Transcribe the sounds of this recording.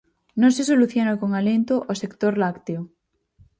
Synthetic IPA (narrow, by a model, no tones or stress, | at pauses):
nõŋsesoluθjonakoŋalẽnt̪oʔosekt̪oɾlakt̪eo